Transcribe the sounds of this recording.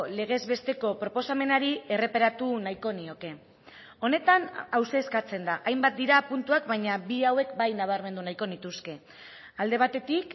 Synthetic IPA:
le̞ɣ̞e̞zβe̞st̪e̞ko̞pɾo̞po̞same̞naɾie̞re̞paɾat̪unajko̞nio̞ke̞ | o̞ne̞t̪anawseːskat͡se̞nd̪aʔajmbat̪̚d̪iɾapunt̪uakbajɲabiawe̞kbajnaβ̞aɾme̞nd̪unajko̞nit̪uske̞ | ald̪e̞β̞at̪e̞t̪ik

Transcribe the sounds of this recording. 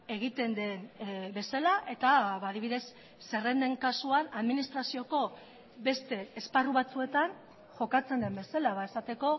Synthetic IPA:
e̞ɣ̞it̪e̞nd̪e̞nbe̞salaʔe̞t̪aβaːðiβiðe̞sː | e̞re̞nd̪e̞ŋkasuanaðminist̪ɾasio̞ko̞ | be̞st̪e̞ːsparuβ̞at͡sue̞t̪an | ʝo̞kat͡se̞nd̪e̞mbe̞salaβae̞sat̪e̞ko̞

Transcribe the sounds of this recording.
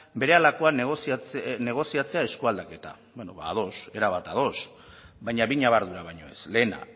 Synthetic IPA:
be̞ɾe̞alako̞aneɣosit͡sne̞ɣ̞o̞siat͡se̞ae̞skuald̪ake̞t̪a̰ | benoβaːðo̞se̞ɾaβat̪að̞o̞s | bajɲaβiɲaβ̞aɾðuɾaβajɲo̞e̞̰sle̞ːna̰

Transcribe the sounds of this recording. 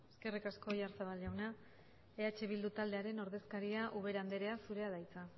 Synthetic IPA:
e̞ske̞rikasko̞jaɾsaβ̞alʝawna | e̞at͡ʃe̞β̞ild̪ut̪ald̪e̞aɾe̞no̞ɾðe̞skaɾiaʔuβ̞e̞ɾand̪eɾe̞asuɾe̞aðajt͡sa

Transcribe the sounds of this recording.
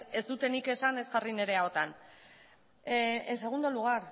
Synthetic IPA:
e̞zd̪ut̪e̞nike̞sane̞zɣarine̞ɾe̞ao̞t̪an | ense̞ɣ̞und̪o̞luɣ̞aɾ

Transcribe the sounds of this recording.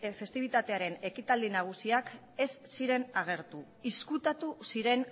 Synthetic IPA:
fe̞st̪iβ̞it̪at̪e̞aɾe̞ne̞kit̪ald̪inaɣ̞usiak | e̞sːiɾe̞naɣ̞e̞ɾt̪u | iskut̪at̪usiɾe̞n

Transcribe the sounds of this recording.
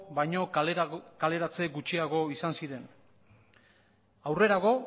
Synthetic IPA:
bajɲo̞kale̞ɾat͡se̞ɡut͡ʃiaɣo̞isansiɾe̞n | awre̞ɾaɣo̞

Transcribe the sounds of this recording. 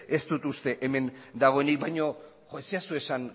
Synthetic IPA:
e̞st̪ut̪ust̪e̞ʔeme̞nd̪aɣ̞o̞enik̚bajɲo̞ | ʝosiasue̞san

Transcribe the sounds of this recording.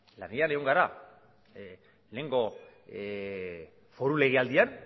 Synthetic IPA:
laneaneɣoŋɡaɾa | leŋɡo̞ | fo̞ɾule̞ɣ̞iald̪ian

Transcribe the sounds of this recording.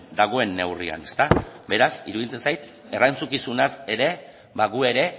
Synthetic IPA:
d̪aɣ̞o̞e̞nːe̞wria̰ne̞̥st̪abe̞ɾasḭɾuðit͡se̞nsajt̪ | e̞rajnt͡sukisunase̞ɾe̞ | βaɣue̞ɾe̞

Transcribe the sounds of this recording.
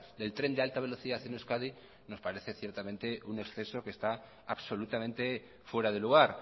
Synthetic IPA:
d̪e̞lt̪ɾe̞nd̪ealt̪aβ̞e̞lo̞θiðaθenuskaði | no̞spaɾe̞θe̞θje̞ɾt̪amẽnt̪e̞ʔune̞ksθe̞so̞ke̞st̪a | aβso̞lut̪amẽnt̪e̞ | fwe̞ɾaðe̞luɣ̞aɾ

